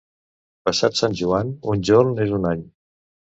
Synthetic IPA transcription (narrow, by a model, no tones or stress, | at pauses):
pəsat̪sanʲʒuanunʲʒoɾnezunaɲ